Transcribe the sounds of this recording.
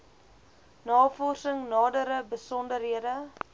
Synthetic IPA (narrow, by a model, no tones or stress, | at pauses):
nɑːfɔrsəŋnɑːdəɾəbəsɔndərɦiədə